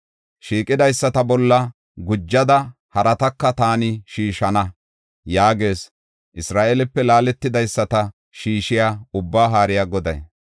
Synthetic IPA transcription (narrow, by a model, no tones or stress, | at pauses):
ʃiːkʼɪd̪ɐjsːɐt̪ɐbɔlːɐ | ɡʊd͡ʒːɐd̪ɐ | hɐɾɐt̪ɐkːɐt̪aːnɪʃiːʃɐnɐ | jaːɡe̞ːs | ʔɪsɾaːʔelɪpːɛlaːlɛt̪ːɪd̪ɐjsːɐt̪ɐ | ʃiːʃɪjaːʊbːaːɦaːɾɪjaːɡɔd̪ɐj